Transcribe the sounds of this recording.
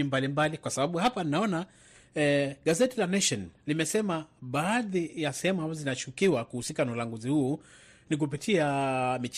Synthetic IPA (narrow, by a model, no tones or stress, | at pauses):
imbalimbalikwasaɓaɓuhapaninaɔna | ɠazɛtilanɛʃɔnlimɛsɛmaɓaːðijasɛhɛmuambazɔzinat͡ʃukiwakuhusikanaulaŋɡuzihuː | nik̬up̬itʰiamit͡ʃ